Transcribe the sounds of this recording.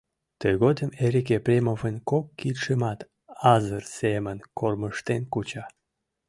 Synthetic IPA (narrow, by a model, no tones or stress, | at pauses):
t̪əjɣod̪əmeɾik̬eprʲemovənkokːit̪ʃemɑt̪ | ɑzərsemənkʰorməʃt̪enkut͡ɕɑ